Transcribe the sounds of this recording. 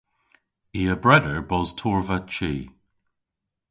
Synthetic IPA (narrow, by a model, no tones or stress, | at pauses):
iːəbɹɛdəɹbɔztʰɔɹvat͡ʃiː